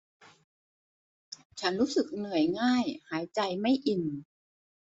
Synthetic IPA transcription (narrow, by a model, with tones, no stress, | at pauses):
t͡ɕʰa˦˥nɾuː˦˥sɯ˨˩k̚nɯ˨˩əjŋaː˥˩jhaː˩˦jt͡ɕa˧jma˥˩jʔi˨˩n